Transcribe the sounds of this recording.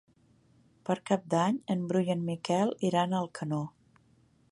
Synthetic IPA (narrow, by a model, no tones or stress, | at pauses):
pəɾkap̚d̪aɲəmbɾujənmikɛlˠiɾanəlˠkʰəno